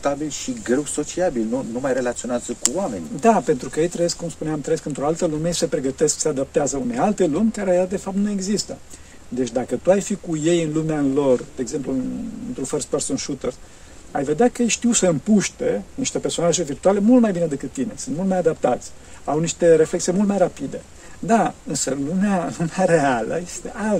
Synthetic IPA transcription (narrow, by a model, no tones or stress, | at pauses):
t̪abilʃiɡɾe̞wso̞t͡ʃiabilnunumajre̞lat̪sio̞neazəkuoame̞̰nʲd̪ape̞nt̪ɾukəjejt̪ɾəje̞skːumspuneamt̪ɾəjeskɨnt̪ɾo̞alt̪əlumessepɾe̞ɡət̪e̞sksead̪ap̚t̪eazəunealt̪e̞lumʲkaɾeaad̪e̞fap̚t̪nue̞ɡzist̪ə | d̪et͡ʃʲd̪akət̪uajfikuje̞jɨnlumealo̞rd̪̥e̞eːɡze̞mpluɨnɨnt̪ɾufərspeɾsonʃut̪ers | a̰jve̞d̪eakəjʃt̪iwsəɨmpuʃt̪e̞niʃt̪e̞perso̞naʒe̞virt̪uale̞mult̪majbinəd̪ekɨt̪ːine̞sɨnt̪mult̪majad̪ap̚t̪at̪sʲawniʃt̪e̞ɾe̞flek̚t̪siemult̪majɾapid̪e̞ | d̪aɨnsəlumealumaɾe̞alə̰je̞st̪e̞ʔal